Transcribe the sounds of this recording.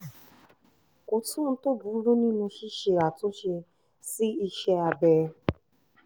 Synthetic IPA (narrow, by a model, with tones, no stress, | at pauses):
ko˧tũ˦n̩˧˦to˦bu˨˦ɾu˦nĩ˦nũ˧ʃi˦ʃe˧˨ɾa˨to˨˦ʃe˧ | si˦i˧ʃɛ˧a˧bɛ˨˧